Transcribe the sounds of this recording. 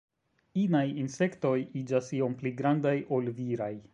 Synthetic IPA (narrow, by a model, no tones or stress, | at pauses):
inajinse̞kto̞jid͡ʒasio̞mpliɡɾandajʔo̞lviɾaj